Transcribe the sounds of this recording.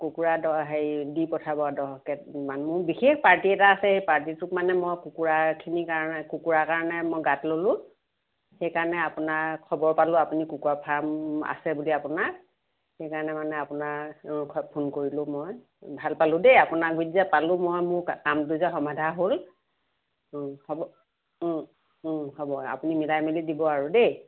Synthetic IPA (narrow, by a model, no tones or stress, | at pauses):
kukuɹadɔɦedipɔtʰabɔadɔkɛmanmʊɹbixexpaɹtiɛtaːsɛejpaɹt̬itʊkmanɛmojkukuɹakʰinikaɔnɛkukuɹakaɹɔnɛmojɡatlolʊ̃ | xejkaɹɔnɛapʊnaɹkʰɔbɔɹpalʊ̃apunikukuɹapʰama̰sɛbuliapʊnak | xejkaɹɔnɛmanɛapʊnaɔpʰunkoɹilʊ̃moj | bʱalpalʊ̃dejapʊnak̚bidizapalʊ̃mojmʊɹakamtuzaxɔmadʱaɦol | hɔbɔ | hɔbɔa̰punimilajmilidibɔaɹude